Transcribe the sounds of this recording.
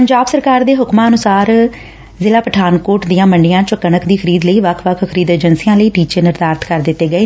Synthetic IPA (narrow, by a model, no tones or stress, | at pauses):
pəɲd͡ʒaːbsəɾkaːɾd̪eːɦʊkmãːənʊsaːɾ | zɪlaːpəʈʰaːnkoːɾʈd̪ijãːməɳɖɪjãːt͡ʃəkːəɳəkd̪iːkʰəɾiːd̪ləiːʋəkʰʋəkʰkʰəɾiːd̪eːd͡ʒənsijãːləiːʈiːt͡ʃeːnɪɾd̪aːɾt̪kəɾd̪ɪt̪ːeːɡəeː